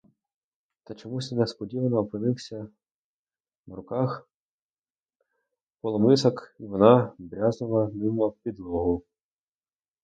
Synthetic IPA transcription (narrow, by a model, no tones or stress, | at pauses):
t̪ɐt͡ʃɔmusʲnespɔdʲiʋɐnɔːpɪnɪwsʲɐ | ʋɾʊkɑx | pɔlˠɔmɪsɔkiʋɔnɑbɾʲazʊlˠɐnɪmɐwpʲid̪lˠɔɦʊ